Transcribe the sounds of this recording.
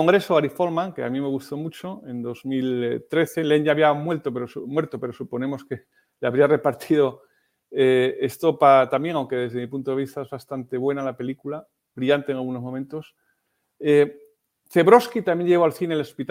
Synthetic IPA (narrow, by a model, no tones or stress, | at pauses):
oŋɡɾe̞soaɾifo̞lmãŋkeamĩme̞ɣ̞ust̪o̞mut͡ʃo̞e̞nd̪o̞zmilt̪ɾe̞θe̞le̞ŋʝaːβiamwe̞lt̪opeɾosmwe̞ɾt̪o̞pe̞ɾosupo̞nẽ̞mo̞ske̞ | leaβɾiare̞paɾt̪ʰiðo̞ | eest̪o̞pat̪amje̞ŋawŋke̞ðe̞zðemipunt̪oe̞β̞ist̪aezβast̪ant̪e̞β̞we̞nalape̞likula | bɾiʎant̪eŋalɣuno̞zmo̞ment̪o̞s | e | θe̞βɾo̞skit̪amje̞ɲʎe̞βo̞alθinelespit̪